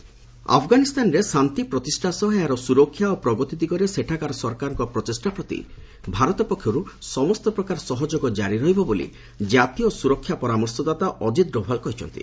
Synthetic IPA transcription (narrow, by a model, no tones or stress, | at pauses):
a̰pʰɡanist̪anɔɾesant̪ipɾɔt̪isʈʰasɔɦeaɾɔsuɾɔkʰːjaopɾɔɡɔt̪id̪iɡɔɾeseʈʰakaɾɔsɔɾkaɾɔŋkɔpɾɔt̪isʈapɾɔt̪ḭ | bʱaɾɔt̪ɔpɔkʰːjɔɾusɔmɔst̪ɔpɾɔkaɾɔsɔɦɔd͡ʒoɡɔd͡ʒaɾiɾɔɦibɔbolḭ | d͡ʒat̪ijɔsuɾɔkʰːjapɔɾamɔɾsɔd̪at̪aʔɔd͡ʒid̪ɾɔpʰalkɔɦit͡ʃʰɔ̰nt̪ḭ